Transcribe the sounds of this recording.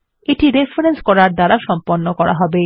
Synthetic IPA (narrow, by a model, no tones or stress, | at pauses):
eʈiɾefɾenskɔɾaɾd̪aɾaʃɔmponːokɔɾa̰ɦɔbe